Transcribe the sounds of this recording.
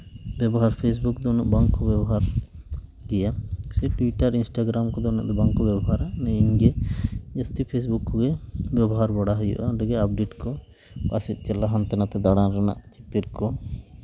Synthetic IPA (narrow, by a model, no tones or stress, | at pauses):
bɛbɔɦaɾpʰes̬buk̚d̪ɔnɔʔbaŋkɔbɛbɔɦaɾ | d̪ijasɛʈuwiʈaɾinsʈaɡɾamkɔd̪ɔnɔ̰ʔd̪ɔbaŋkɔbɛbɔɦaɾaʔnɛiɲd͡ʒɛəst̪ipʰes̬bukːɔɡɛbjɛbɔɦaɾbɔɽaɦɔjɔ̰ʔaɖɛɡɛap̚ɖeʈkɔ | kasit̪̚ˀt͡ʃɛlaɦant̪ɛnat̪ɛd̪aɽanɾana̰ʔt͡ʃit̪iɾkɔ